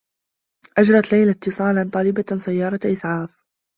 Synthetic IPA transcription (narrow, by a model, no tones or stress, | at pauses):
ʔad͡ʒɾˤɑt̪lajlat̪ːɨsˤɑːlant̪ˤɑːlɪbasajːɑːɾˤɑʔɪsʕɑːf